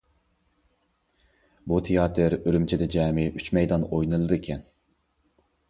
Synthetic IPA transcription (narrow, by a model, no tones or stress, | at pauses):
but̪ʰejɑːt̪ʰɨɾøɾymt͡ʃʰɛd̪ɛd͡ʒɛːmɪʔyt͡ʃmɛjd̪ɑnojnɨlˠɨd̪ɨkʲʰɛn